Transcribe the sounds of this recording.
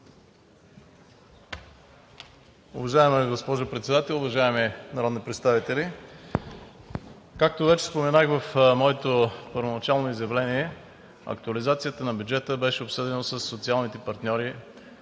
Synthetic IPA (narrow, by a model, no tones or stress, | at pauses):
ʊvɐʒaɛmɛɡospɔʒʊpɾɛt̪sɛd̪at̪ɛlˠʊvɐʒaɛminɐɾɔd̪nipɾɛt̪st̪avit̪ɛli | kak̚t̪ovɛt͡ʃɛ̥spomɛnaxvɐfmɔɛt̪opəɾvonɐt͡ʃalˠnoizjɐvlɛniɛ | ɐ̰k̚t̪uɐlizat̪sijət̪ənɐbjud͡ʒɛt̪əbɛʃɛopsɤd̪ɛnəsəsːot̪sialˠnit̪ɛpɐɾt̪nʲɔɾi